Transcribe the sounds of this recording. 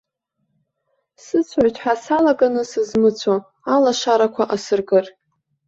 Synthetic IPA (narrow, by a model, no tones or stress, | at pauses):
sɨt͡sʷʰʕʷatʰʼħasalaɡanɨsɨzmɨt͡sʷʰo | alaʃaɾakʷʰaʔasɨrɡɨr